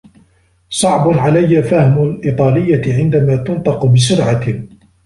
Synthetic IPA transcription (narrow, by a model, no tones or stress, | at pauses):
sˤɑʕbʊnʕalajːafahmʊlʔit̪ˤɑːlɪjːaʕɪnd̪amaːt̪ʊnt̪ˤɑqʊbɪsʊɾʕa